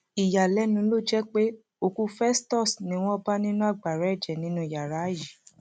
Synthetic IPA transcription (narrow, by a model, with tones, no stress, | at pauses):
i˨ja˨lɛ˦nũ˧˦lo˦˨d͡ʒɛ˦k͡pe˦ | o˧˨kũ˧˦fɛ˦stɔ˦˨snĩ˨˦w̃ɔ̃˦ba˦nĩ˦nũ˦a˦˨ɡ͡ba˨ɾɛ˨˦ɛ˦˨d͡ʒɛ˨nĩ˦nũ˦i˨ja˨ɾa˨˦ji˨